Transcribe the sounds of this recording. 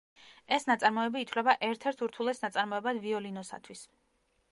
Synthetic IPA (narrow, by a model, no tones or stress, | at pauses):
ɛsnat̪sʼaɾmɔɛbiːt̪ʰwlɛbaʔɛɾt̪ʰɛɾt̪ʰuɾt̪ʰulˠɛsnat̪sʼaɾmɔɛbad̪viɔlinɔsa̰t̪ʰwis